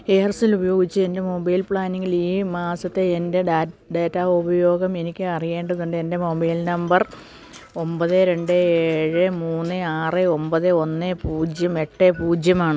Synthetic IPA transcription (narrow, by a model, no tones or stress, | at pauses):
eːrsilubɐjo̞ːɡit͡ɕːɨe̞nde̞mo̞bɐjlpɭaːniŋɡiliːmaːsɐt̪ːe̞ːnde̞ɖejtːaubɐjo̞ːɡɐme̞nikʲːɨɐrije̞ːɳɖɐðuɳɖeende̞mo̞bɐjlnɐmbɐr | o̞mbɐðeɾe̞ɳɖɨeːɻɨmuːnːɨaːrɨo̞mbɐðɨo̞nːepuːd͡ʑjɐme̞ʈːepuːd͡ʑjɐmaːɳɨ